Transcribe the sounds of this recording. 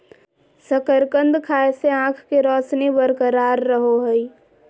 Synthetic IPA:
səkəɾkə̃nd̪kʰaːeseãːkʰkeɾɔːsnebəɾkəɾaːɾːəɦoɦəi

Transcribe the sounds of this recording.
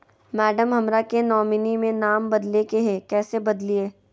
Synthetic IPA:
mɛːɖəmɦɐmɾakenɔːmɪnimẽnaːmbɐd̪lekeɦɛkɛːsebɐd̪lieː

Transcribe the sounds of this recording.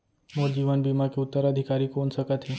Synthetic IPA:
noːɾd͡ʒiːʋənbiːmakeʊt̪ːəɾɐd̪ʱɪkaːɾikoːnsɐkət̪ɦɛː

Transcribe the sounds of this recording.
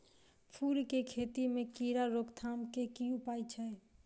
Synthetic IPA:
pʰuɾkekʰet̪imekiɾaɾokt̪ʰamkekiupajt͡ʃʰɛj

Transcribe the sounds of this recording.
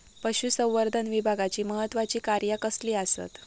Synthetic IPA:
pəɕusə̃w̃ʋəɾd̪ʱənʋibʱaɡat͡ɕiːməɦət̪ːʋat͡ɕiːkaɾjakəsliːasə̰t̪

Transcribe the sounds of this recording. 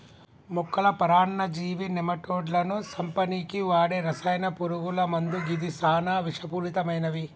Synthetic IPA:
mukʰːɐlɐpɐɾaːɳɳɐd͡ʒiːʋinɛmɐʈoːɖlɐnusɐmpɐniːkiʋaːɽeɾɐsɐjnɐpuɾuɡulɐmɐnd̪uɡid̪isaːnaːʋiʂɐpuːlit̪ɐmɐjnɐʋi

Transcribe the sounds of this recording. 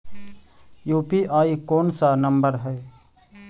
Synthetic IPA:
juːpiːʔaːikoːnsanəmbəɾɦɛe

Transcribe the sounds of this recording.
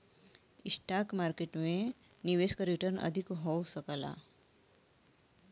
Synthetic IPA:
isʈakmaɾkeʈmẽ | niʋeskɾiʈəɾnə̰d̪ʱikɦowsəkala̰

